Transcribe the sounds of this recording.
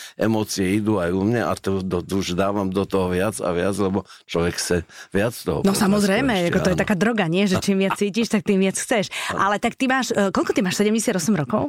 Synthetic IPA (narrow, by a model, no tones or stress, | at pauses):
ɛmɔːt͡siɛid̪uajumɲɛʔa̰t̪ud̪ɔd̪uʒd̪aːʋamd̪ɔt̪ɔɦɔʋɪad͡za̰ʋɪad͡zlɛbɔ | t͡ʃlɔʋɛkxt͡sɛʋɪat͡sːt̪ɔɦɔ̰nɔsamɔzɾɛjmɛakɔɔjɛt̪akaːd̪ɾɔɡaɲɪɛʒɛt͡ʃimʋɪat͡st͡siːciʃt̪ak̚t̪iːmʋɪat͡sxt͡sɛʃʔa̰lɛt̪akt̪imaːʃkɔlkɔt̪imaːʃsɛɟɛmɟɛsjad̪ɔsɛmɾɔkɔʊ